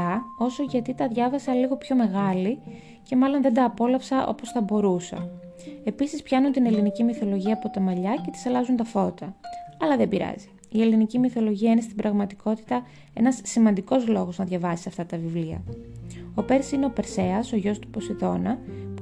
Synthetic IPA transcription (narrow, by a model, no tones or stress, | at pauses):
ɐo̞so̞ʝɐt̪it̪ɐðʝɐvɐsɐliɣo̞pço̞me̞ɣɐli | ce̞mɐlo̞nðe̞nd̪ɐːpo̞lɐpsɐʔo̞̰po̞sθɐbo̞ɾusɐ̰ | e̞pisispçɐnunt̪ine̞linicimiθo̞lo̞ʝiɐːpo̞t̪ɐmɐʎɐce̞t̪i̥sɐlɐzunt̪ɐfo̞t̪ɐɐlɐðebiɾɐ̰zi̥ | ie̞linicimiθo̞lo̞ʝiɐinest̪ibɾɐɣmɐt̪i̥ko̞t̪i̥t̪ɐ | e̞nɐsːimɐnd̪iko̞zlo̞ɣo̞znɐðʝɐvɐsi̥sɐft̪ɐt̪ɐvivliɐ̰ | o̞pe̞ɾsine̞o̞pe̞ɾse̞ɐso̞ʝo̞st̪u̥po̞siðo̞nɐ